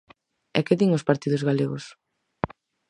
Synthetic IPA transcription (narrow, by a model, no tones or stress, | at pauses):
ɛ̰keðiŋospaɾt̪iðʊzɣaleɣos